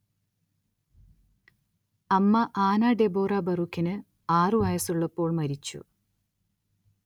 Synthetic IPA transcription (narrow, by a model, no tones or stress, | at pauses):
ɐmːɐʔaːnaɖeboːrɐbɐrukːinɨ | aːrɨʋɐjɐsuɭːɐpːo̞ːɭmɐɾit͡ɕːṵ